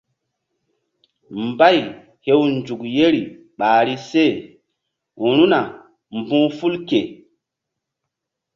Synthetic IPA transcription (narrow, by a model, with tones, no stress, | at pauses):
mba˦˨j | he˦wnd͡ʒu˨kje˦ɾi˨ | ɓaː˨ɾi˦se˦˨ | u˨ɾu˦na˨ | m˨bũ˦fu˦lke˨